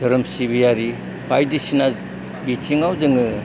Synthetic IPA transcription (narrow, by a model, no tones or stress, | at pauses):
dɯɾɯmsibijaɾi | pʰajdisinaz | bitʰiŋawzɯŋɯ